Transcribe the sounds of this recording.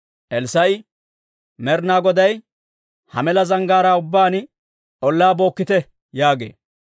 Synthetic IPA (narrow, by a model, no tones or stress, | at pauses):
ʔɛlsɐj | mɛɾnaːɡɔd̪ɐj | hɐ̰mɛlɐzɐŋɡaːɾaːʊbːaːn | ʔɔlːaːbo̞ːkːɪt̪ɛ | jaːɡḛː